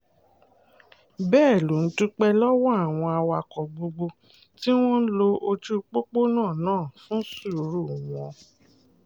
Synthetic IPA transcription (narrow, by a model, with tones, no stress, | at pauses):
bɛː˦˨lu˨˦n̩˨˦tu˦k͡pɛ˧lɔ˦wɔ˦a˦˨w̃ɔ̃˧a˧wa˨kɔ˨ɡ͡bo˧ɡ͡bo˧ | ti˦w̃ɔ̃˦n̩˦lo˧ʔo˧t͡ʃu˦k͡po˦k͡po˦nãː˦˨nãː˦˨fũ˦su˦˨˦ɾu˦˨w̃ɔ̃˨˧